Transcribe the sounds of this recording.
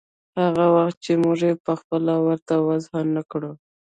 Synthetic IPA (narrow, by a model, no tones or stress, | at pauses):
haɣawaxt̪̚t͡ʃemʊʐepəxpəlawəɾt̪awazhanːakɽə